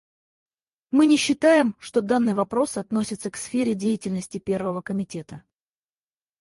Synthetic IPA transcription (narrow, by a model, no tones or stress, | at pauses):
mɨnʲɪɕːɪt̪ajɪmʂt̪o̞d̪anːɨjvɐpɾo̞sɐt̪no̞sʲɪt̪səksfʲeɾʲɪdʲejɪtʲɪlʲnəsʲtʲɪpʲe̞rvəvəkəmʲɪtʲe̞t̪ə